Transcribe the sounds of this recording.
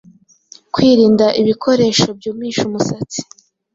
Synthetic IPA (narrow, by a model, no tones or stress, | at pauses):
kwiːɾiːndaʔiβikʰo̞ɾe̞ːʃo̞b̚juːmŋiːʃumusat͡si̥